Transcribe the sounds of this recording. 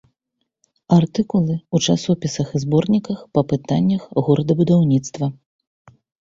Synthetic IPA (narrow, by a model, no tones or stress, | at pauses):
art̪ɨkulˠɨut͡ʂasɔpʲisɐxɨzbɔrnʲikɐxpɐpɨt̪anʲːɐxɣuɾɐd̪ɐbud̪awnʲit̪st̪vɐ